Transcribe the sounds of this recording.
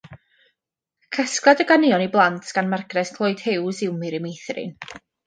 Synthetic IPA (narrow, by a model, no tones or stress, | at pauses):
kʰəsklˠadəɡanɪɔniblˠantʰɡ̥anmarɡrɛskʰlˠɔɨd̥hɪwzɪwmɨɾɪmijθrɪ̰n